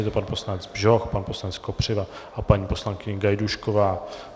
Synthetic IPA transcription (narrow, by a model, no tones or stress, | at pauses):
jɛt̪opanpo̞slanɛt͡sbʒoxpanposlanɛt͡skopr̝̥ɪvaʔapaɲiːpo̞slaŋkɪɲɪɡajduʃkovaː